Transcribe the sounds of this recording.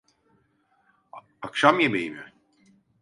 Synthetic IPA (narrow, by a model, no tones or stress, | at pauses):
akʃamjebejimɪ